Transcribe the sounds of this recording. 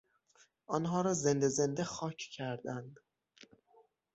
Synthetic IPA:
ʔɒnɦɒːɾɒːze̞nd̪ezend̪exɒːcʰcʰæɾd̪ænd̪

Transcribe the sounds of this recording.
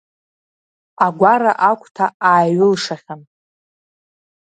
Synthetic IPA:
aɡʷaɾaʔakʷʰʼtʰaaːɥʊlʂaχʲan

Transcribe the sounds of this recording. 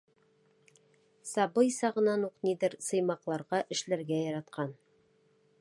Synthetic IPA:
sɑbɤjsɑʁɤ̆nɑnuqnid̪ɘɾsɤ̆jmɑqlˠɑɾʁɑʔɘ̆ʃlæɾɡæjɑɾɑt̪qʰɑn

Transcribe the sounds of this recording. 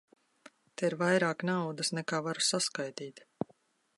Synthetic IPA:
t̪eiɾvajɾaːknawd̪asnɛkaːvaɾusaskajt̪iːt̪

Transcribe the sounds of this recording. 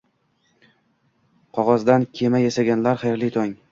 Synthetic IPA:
qʰɒʁɒzd̪ankʲʰe̞majesaɡʲanlaɾχajɾlit̪ʰɒŋ

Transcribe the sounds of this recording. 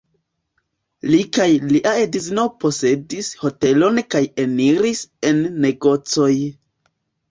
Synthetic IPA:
likajliʔaediznopo̞se̞disho̞te̞lo̞nkaje̞niɾise̞nːe̞ɡo̞t͡so̞j

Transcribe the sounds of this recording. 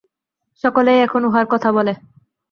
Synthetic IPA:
ʃɔkolejɛkʰonoɦoaɾkɔt̪ʰabɔle

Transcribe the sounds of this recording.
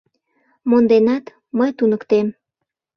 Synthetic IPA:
mond̪enɑt̪ | məjt̪unəkt̪em

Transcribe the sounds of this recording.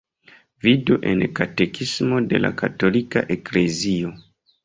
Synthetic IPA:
viduʔe̞̰nkate̞kʰismo̞de̞la̰kato̞lika̰ʔe̞kle̞zio̞

